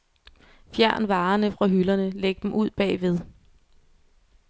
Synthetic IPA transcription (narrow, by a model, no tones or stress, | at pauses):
fjæɐ̰nʋɑ̈ːnəfʁɑ̈ɦylɐnəleɡ̥əd̥em̩ʔuð̞̰ˠb̥ɛ̰ːʋe̝ð̞ˠ